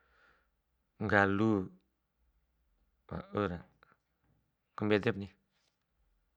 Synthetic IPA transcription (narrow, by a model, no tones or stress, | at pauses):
ŋɡalu | wa̰ʔəɾa | kumbd̪ep̚ni